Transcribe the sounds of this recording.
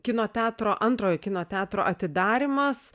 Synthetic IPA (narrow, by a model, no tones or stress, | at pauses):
kʲɪnoːt̪ʲæːt̪ɾoːʔɐnt̪ɾoːjoːkʲɪnoːt̪ʲæːt̪ɾo̰ːʔɐt̪ʲɪd̪ɑːɾʲɪmɐs